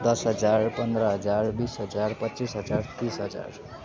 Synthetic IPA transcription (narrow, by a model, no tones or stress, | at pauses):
d̪ʌsɦʌd͡zarpʌnd̪ɾʌɦʌd͡zarbisɦʌd͡zarpʌtːt͡sisɦʌd͡zart̪isɦʌd͡za̰r